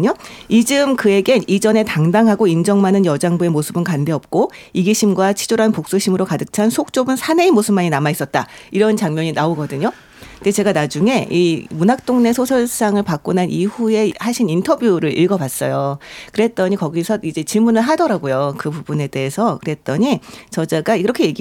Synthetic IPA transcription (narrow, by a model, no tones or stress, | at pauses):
ɲoid͡ʑɯmkɯe̞ɡenid͡ʑʌne̞taŋdaŋɦaɡoind͡ʑʌŋmanɯnjʌd͡ʑaŋbue̞mosʰɯbɯnkande̞ʌp̚k͈oiɡiɕʰimɡwat͡ɕʰid͡ʑoɾanpok̚s͈uɕʰimɯɾokadɯk̚t͡ɕʰansʰok̚t͡ɕ͈obɯnsʰaneimosʰɯ̥m̚aɲinamais͈ʌt̚t͈aiɾʌnt͡ɕaŋmjʌɲinaoɡʌdɯɲo | det͡ɕe̞ɡanad͡ʑuŋe̞imunɦak̚t͈oŋne̞sʰosʰʌɭs͈aŋɯɭpak͈̚onanʔihue̞haɕʰinintʰʌbjuɾɯɾʔḭɭɡʌbas͈ʌ̰jokɯɾe̞t̚t͈ʌɲikʌɡisʰʌid͡ʑe̞t͡ɕiɭmunɯɭɦadʌɾaɡojokɯpubune̞de̞ːsʰʌkɯɾe̞t̚t͈ʌɲit͡ɕʌd͡ʑaɡaiɾʌkʰe̞jeɡi